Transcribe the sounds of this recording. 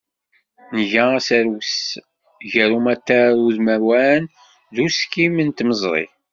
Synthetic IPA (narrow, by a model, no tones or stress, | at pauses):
nəʝææsæɾws | ʝəɾumæt̪ːæɾuðmæɾwæn | ðuskimənt̪məzˤɾˤḭ